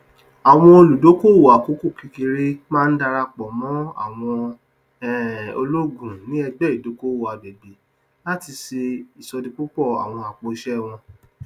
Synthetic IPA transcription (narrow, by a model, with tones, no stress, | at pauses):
a˨w̃ɔ̃˧o˧lu˨do˨˦ko˦wo˨a˨ko˨˦ku˦˨ki˧ki˧ɾe˦mãː˦˧n̩˦da˧ɾa˧k͡pɔ˨mɔ̃˦a̰˨w̃ɔ̃˧ | ɛ˨o̰˧lo˦ɡũ˨nĩ˨˦ɛ˧ɡ͡bɛ˦˨i˨do˨˦ko˦wo˨a˨be˨be˨ | la˦ti˧se˧i˨sɔ˧dĩ˧k͡pu˦k͡pɔ˦˨a̰˨w̃ɔ̃˧a˨k͡po˨˧ʃɛ˦˨w̃ɔ̃˧